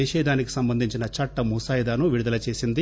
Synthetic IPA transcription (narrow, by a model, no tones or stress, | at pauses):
iʃɛːd̪ʱaːniki̥sɐmbɐnd̪ʱiɲt͡ʃinɐt͡ʃɐʈːɐmusaːjid̪aːnuʋiɽud̪ɐlɐt͡ʃe̞ːsind̪i